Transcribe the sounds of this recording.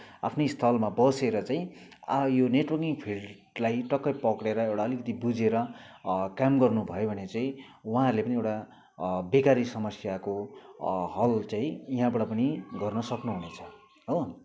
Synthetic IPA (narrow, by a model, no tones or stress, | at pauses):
a̰pʰnost̪ʰʌlmabʌseɾʌt͡saĩajoneʈwʌrkiŋpʰil | lajʈʌkːʌpʌkɽeɾʌewʈaʌlikʌt̪ibud͡zeɾʌ | kamɡʌrnubʱʌjobʱʌnet͡saĩ | uɦãʌɾlepʌniewʈa | bekaɾisʌmʌsjako | ɦʌlt͡saĩiɦãbʌʈʌpʌniɡʌrnʌsʌknuɦunet͡sʰʌ̥ | ɦo